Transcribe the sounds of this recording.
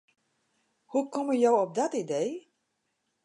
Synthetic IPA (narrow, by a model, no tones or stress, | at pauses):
hukɔməjowɔp̚dɔtidej